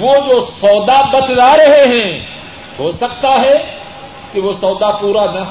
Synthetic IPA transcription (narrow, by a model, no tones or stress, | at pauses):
ʋoːd͡ʒosɔːd̪abɐt̪laːɾɐɦeɦɛ̃ː | hoːsɐkt̪aɦɛ | kiʋosɔːd̪apuːɾanɐ